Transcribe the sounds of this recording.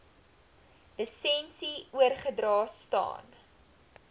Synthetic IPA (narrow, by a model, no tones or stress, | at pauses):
dəsɛnsiuərχədrɑːstɑ̰ːn